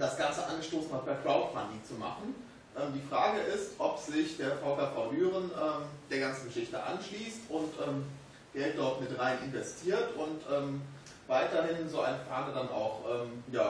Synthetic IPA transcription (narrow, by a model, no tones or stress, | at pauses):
d̥asɡ̥ant͡səʔa̰nɡəʃtoːsn̩hat̚pɛɐkʁ̥aʊtpʰa̰ndit͡suma̰χn̩ | ʔɛːmdiːfʁ̥aːɡəʔɪstʔɔpz̥ɪçd̥eːɐfaʊfɛɐfaʊlyːʁənʔɛːmd̥eːɐɡant͡sn̩ɡəʃɪçtə̰ʔa̰nʃliːstʊntʔɛːm | ɡ̥ɛlt̚d̥ɔɐtmɪtʁaɪnʔɪnvɛstʰiːɐtʊntʔɛːm | vaɪtɐhɪnzoːa̰ɪnəfaːnədanʔa̰ʊxʔɛːmjaː